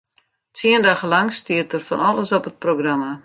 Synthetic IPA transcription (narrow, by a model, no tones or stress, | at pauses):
tiəndaχəlɑŋstiətərfɔ̰nɔləsɔpət̚proɡrama